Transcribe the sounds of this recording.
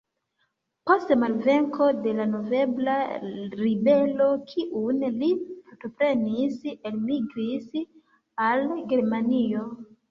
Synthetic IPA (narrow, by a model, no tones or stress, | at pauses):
po̞stemalve̞ŋko̞de̞lano̞ve̞blaɾibe̞lo̞kʰiʔunlipoɾtopɾe̞niselmiɡɾis | alɡe̞ɾmanio̞